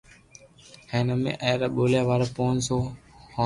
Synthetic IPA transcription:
heːnəmḛ̃ːʔəːɾaːɓoːljaːʋaːɾpoːnsoːho

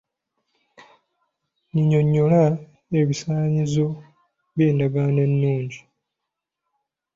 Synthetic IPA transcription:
ɲiɲo̞ɲːo̞la | eβisaːɲizo̞ | βjeːndaɡanenːuːɲɟi

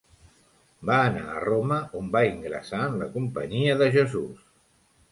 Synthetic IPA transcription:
baəna̰ə̰roməombaiŋɡɾə̰saənləkumpə̰ɲiəðəʒəzus

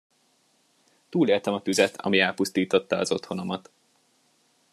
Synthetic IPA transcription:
t̪uːleːlt̪ɛmɒt̪yzɛt̪ʰɒ̰miɛːlpust̪iːt̪o̞t̪ːɒɒzo̞t̪ho̞no̞mɒt̪

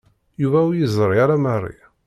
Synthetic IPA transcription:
juvæwjəzˤɾˤiaɾamərˤːḭ

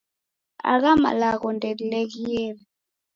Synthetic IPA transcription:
a̰k̬ama̰lakɔndʱʼɛlilek̬iːlɛ

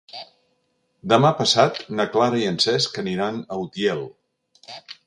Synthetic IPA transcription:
d̪əmapəsat̪nəklaɾəiənsɛskəniɾanəwt̪jɛlˠ

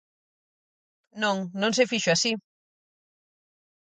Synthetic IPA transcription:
nõŋnõŋs̬efiʃuasi

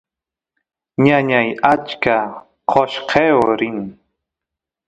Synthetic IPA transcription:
ɲaɲajat͡ʃka | qʰoʃqʰewɾɪŋ

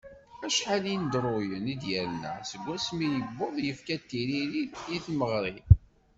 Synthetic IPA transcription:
æʃħalind̪ɾˤojənid̪jæɾnæ̰səɡʷːæsminjəbːoðˤjəfkæt̪ːiɾiɾidjiθməʁɾi

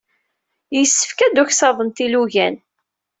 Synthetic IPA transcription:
jəsːə̥fkæd̪uçsɑðˤənt̪iluʝæn

